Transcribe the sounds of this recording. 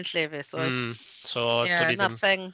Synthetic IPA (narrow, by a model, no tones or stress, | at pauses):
nɬɛvɛso | sojænʌθɪ̃ŋ